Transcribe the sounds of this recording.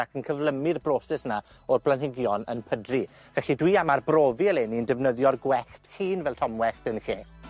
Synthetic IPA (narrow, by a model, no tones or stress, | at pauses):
akʰənkʰəvlˠəmɪrbroːsɛsna | ɔrblˠanɦɪɡjɔnə̰npʰədri | vɛɬidwiamarbroːviəlˠeniəndɛvnəðjɔrɡwɛɬthiːnvɛlˠtʰɔmwɛɬtənɬeː